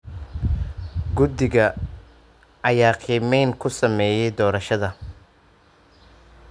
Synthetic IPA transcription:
ɡʊd̪ɪɣɐ | ʔɐjaːqʰiːmɛjnkʰʊsɐmɛːjɛjd̪ɔːɾɐʃɐðɐ

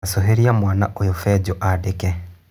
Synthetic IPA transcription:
soɦeɾiamwaːnaʔojofɛd͡ʑoʔadekɛ

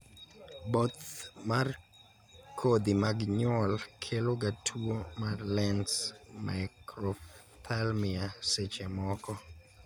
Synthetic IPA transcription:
bot̪mar | kʰod̪imaɡɲɔlkʰeloɡatʰuomarlɛnsmʔa̰ɪkɾɔ | tʰalmɪaset͡ʃemɔkɔ

